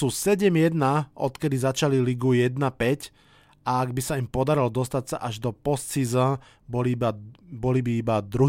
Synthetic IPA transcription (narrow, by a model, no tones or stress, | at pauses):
uːsɛɟɛmjɛd̪naɔ̰t̪kɛd̪izat͡ʃaliliɡujɛd̪napɛc | aaɡbisaimpɔd̪aɾild̪ɔst̪at̪saʔaʒd̪ɔpɔst̪sizã | bɔlibabɔlibiibad̪ɾu